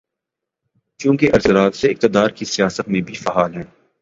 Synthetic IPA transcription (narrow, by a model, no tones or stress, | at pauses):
t͡ʃũːkeʔɐɾsəɾaːt̪seɪk̚t̪ɪd̪aːɾkisijaːsət̪mẽbʱifɐɦaːlɦɛ̃ː